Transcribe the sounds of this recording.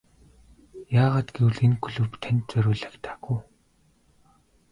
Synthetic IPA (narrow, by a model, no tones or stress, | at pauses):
jaːʁaːt̪ɡewɮenkʰuɮɵ̆wpt̪ʰænt̪̚t͡sœɾʲʊːɮăkt̪ʰḁːɡŭː